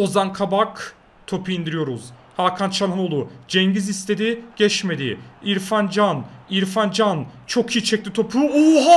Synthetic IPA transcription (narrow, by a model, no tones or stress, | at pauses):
ozankʰabak | t̪ʰo̞pʰuind̪iɾijo̞ɾuz̥ | hakʰant͡ʃʰanˠɯno̞lˠud͡ʒɛɲɟizist̪ʰe̞d̪iɟ̥ɛt͡ʃme̞d̪ɪ̰iɾfand͡ʒaniɾfand͡ʒant͡ʃʰo̞kʰijt͡ʃʰɛclʲit̪ʰo̞pʰuuɦ